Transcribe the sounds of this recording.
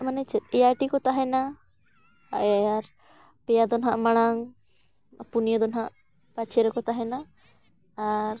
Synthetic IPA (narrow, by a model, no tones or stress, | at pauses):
manɛt͡ʃɛt̪̚ˀɛjaʈikɔt̪aɦɛna | aʔɛaɾ | pɛjad̪ɔnɦaʔmaɽ̃aŋ | punijɔd̪ɔnɦaʔ | pat͡ʃʰɛɾɔkɔt̪aɦɛnaː | ɾ